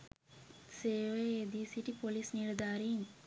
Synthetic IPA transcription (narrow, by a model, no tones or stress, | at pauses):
seːʋeːd̪isiʈipolisniɾd̪aːɾiŋ